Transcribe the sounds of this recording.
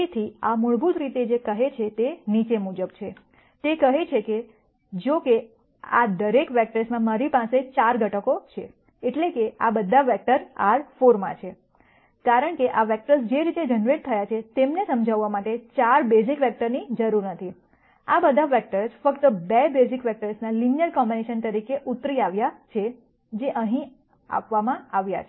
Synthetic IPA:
it̪ʰiamʊɭbut̪ɾit̪ed͡ʒekəɦet͡ʃʰet̪enit͡ʃemud͡ʒəbt͡ʃʰe | t̪ekəɦet͡ʃʰeke | d͡ʒoke | a̰d̪əɾekʋɛk̚ʈəɾsmãmaɾipãset͡ʃaɾɡʱəʈəkot͡ʃʰe | eʈlekeabəd̪ʱːaʋɛk̚ʈəɾa̰ɾfoɾmã̰t͡ʃʰe | kaɾəɳkeʔaʋɛk̚ʈəɾsd͡ʒeɾit̪ed͡ʒənʋeʈ̚t̪ʰːəjat͡ʃʰet̪emnesəmd͡ʒʱaʋːamaʈet͡ʃaɾbezikʋɛk̚ʈəɾnid͡ʒəɾuɾnət̪ʰi | abəd̪ʱaʋɛk̚ʈəɾsfəkt̪əbɛbezikʋɛk̚ʈəɾsnalinijəɾkɔmbineʃənt̪əɾikeʔut̪ɾiaʋjat͡ʃʰe | d͡ʒeʔəɦĩ | a̰pʋamãaʋja̰t͡ʃʰ

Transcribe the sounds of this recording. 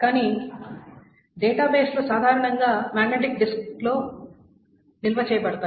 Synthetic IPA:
kaːni | ɖɛːʈaːbeːsloːsaːd̪ʱaːɾɐɳɐŋɡaːmaːɡneʈ̬ik̚ɖisklo̞ː | nilʋɐt͡ʃɛːjɐbɐɽɐt̪aː

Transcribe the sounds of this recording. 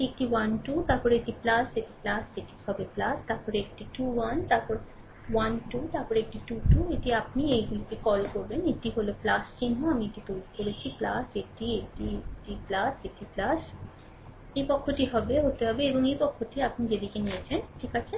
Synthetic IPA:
ek̚ʈiʋɐnʈut̪aːpɔɾeʈiplaseʈiplaseʈʰi̥hɔbeplast̪aːpɔɾek̚ʈiʈuʋɐnt̪aːpɔɾ | ʋɐnʈut̪apɔɾek̚ʈiʈuʈueʈiapnieɡukekɔlkoɾbeneʈiɦoloplaskinɦõamĩeʈit̪od͡ʒkoɾet͡ɕʰiplasek̚ʈiekʈieʈiplasekʈʰiplas | epɔkʰːoʈiɦɔbeɦot̪eɦɔbeebɔŋepɔkʰːoʈʰiapnid͡ʒed̪ikeniet͡ʃʰenʈʰikat͡ʃʰe

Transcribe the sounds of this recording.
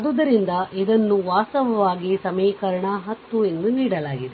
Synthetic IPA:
ɐd̪ud̪ɐɾind̪ɐʔid̪ɐnːuʋaːsɐʋɐʋaːɡisɐmiːkɐɾɐɳɐɦɐt̪ːue̞nd̪uniːɽɐlaːɡid̪e

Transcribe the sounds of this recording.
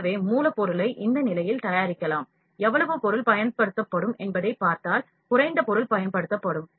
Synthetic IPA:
ʋeːmuːlɐpɔɾɯlɐɪʔɪnd̪ɐnɪlɐjɪlt̪ɐjaːɾɪkːɐlaːm | ɛʋːɐɭɐʋɯpɔɾɯlpɐjɐnpɐɽɯt̪ːɐpːɐɽɯmɛnbɐðɐɪpːaːɾt̪aːl | kʊɾɐɪnd̪ɐpɔɾɯlpɐjɐnpɐɽɯt̪ːɐpːɐɽɯm

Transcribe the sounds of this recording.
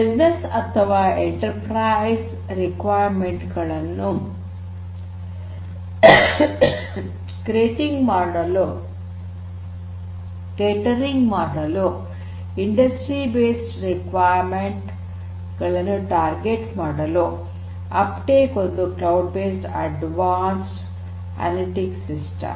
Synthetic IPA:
bid͡ʒnesɐt̪ʰːɐʋaːeɳʈɐɾpɾajs | ɾikʋaːjɾmeɳʈɡɐɭɐnːu | kɾeːʈiŋɡmaːɽɐlu | ʈeːʈɐɾiŋɡmaːɖɐlu | iɳɖɐsʈɾibeːsʈɾikʋaːjɾmeɳʈ | ɡɐɭɐnːuʈaːɾɡeʈmaːɽɐlu | ɐpʈeːkond̪uklɐwɖ̚beːsʈɐ̰ɖʋaːns | ɐ̰liʈiksisʈɐ̰m

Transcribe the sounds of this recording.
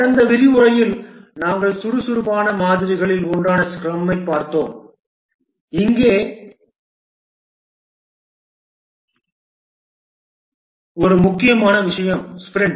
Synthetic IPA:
ɐnd̪ɐʋɪɾɪʋʊɾɐjɪlnaːŋɡɐɭsʊɾɯsʊɾʊpaːnɐmaːðɪɾɪɣɐɭɪlɔɳɖaːnɐskɾɐmːɐɪpːaːɾt̪ːoːm | ɪŋɡeː | ɔɾɯmʊkːɪjɐmaːnɐʋɪʂɐjɐmspɾɛɳɖ

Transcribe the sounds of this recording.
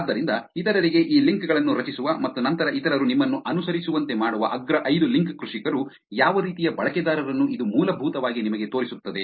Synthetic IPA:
aːd̪ːɐɾind̪ɐit̪ɐɾɐɾiɡe̞ʔiːliŋkɡɐɭɐnːuɾɐt͡ʃisuʋɐmɐt̪ːunɐnt̪ɐɾɐʔit̪ɐɾɐɾunimːɐnːuʔɐnusɐɾisuʋɐnt̪e̞maːɽuʋɐ̰ʔɐɡɾɐʔɐjd̪uliŋkkɾuʂikɐɾu | jaːʋɐɾiːt̪ijɐbɐɭɐkɛd̪aːɾɐɾɐnːuʔid̪umuːlɐbʱuːt̪ɐʋaːɡinimɐɡe̞t̪o̞ːɾisut̪ːɐd̪e

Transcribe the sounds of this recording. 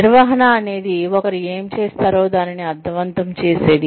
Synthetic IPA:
iɾʋɐɦɐnaɐne̞ːd̪iɔkɐɾieːmt͡ʃeːst̪aːɾo̞ːd̪aːniniɐd̪ʱːɐʋɐnt̪ɐmt͡ʃeːse̞ːd̪i

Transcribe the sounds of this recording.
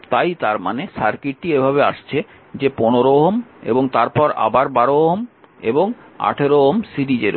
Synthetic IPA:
t̪ajt̪aɾmanesaɾkiʈ̚ʈiebʱaβea̰ʃt͡ɕʰe | d͡ʑeponoɾoɦomḛboŋt̪aɾpɔɾa̰baɾbaɾoɦom | eboŋ | a̰ʈʰeɾoɦomsiɾid͡ʑeɾ

